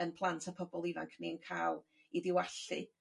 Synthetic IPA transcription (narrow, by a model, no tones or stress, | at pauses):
ənpʰlˠantʰapʰɔbɔlˠiva̰ŋkʰniənkʰaːlˠ | iðɪwaɬɨ̰